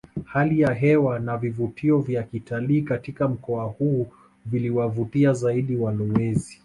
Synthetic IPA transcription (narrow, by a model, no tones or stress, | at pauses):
halijaɦɛwanavivutʰiɔvjakitaliːkatikam̩kɔahuː | viliwavutiazaiɗiwalɔwɛzi